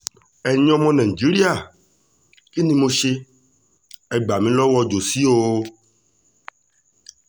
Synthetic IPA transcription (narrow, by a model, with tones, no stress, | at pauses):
ɛ˨ɲɔ̃˦mɔ̃˦nɛ̃˨d͡ʒi˨˦ɾi˦a˨ | i˦nĩ˦mõ˦ʃe˦ | ɛ˨ɡ͡ba˨mĩ˦lɔ˦wɔ˦d͡ʒo˨si˦o˦